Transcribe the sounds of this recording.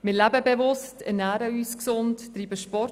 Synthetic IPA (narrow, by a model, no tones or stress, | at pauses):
mɪlæbəbevʊstɛɾnæːɾəyːsksʊntːɾiːbəʃpɔɾ